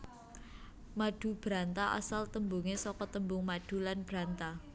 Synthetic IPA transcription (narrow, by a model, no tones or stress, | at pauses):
maɖ̥ṳb̥ɾa̤nt̪aʔa̰salt̪əmbuŋesɔkɔt̪əmbʊŋmaɖ̥ṳlanb̥ɾant̪a